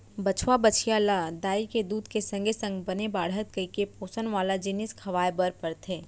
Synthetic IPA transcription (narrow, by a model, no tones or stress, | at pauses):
bət͡ʃʰʋabət͡ʃʰijaːlad̪aːiked̪uːd̪ʱkesə̃ŋɡʱesə̃ŋɡbənebaːɽɦət̪kəikepoːsənʋaːlad͡ʒɪnɪskʰɐʋaːebəɾpəɾt̪ʰɦeː